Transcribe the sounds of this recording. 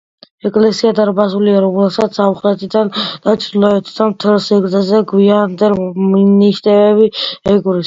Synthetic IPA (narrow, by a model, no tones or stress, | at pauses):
ɛkʼlɛsiad̪aɾbazuliaɾɔmlɛlsat̪ssamχlɛt̪ʼid̪and̪̥at͡ʃʰʼd̪lɔɛt̪ʰʼid̪anmt̪ʰɛlsɛɡɾɛzɛɡwiand̪ɛlminiʃt̪ʼɛɛbiɛɡɾis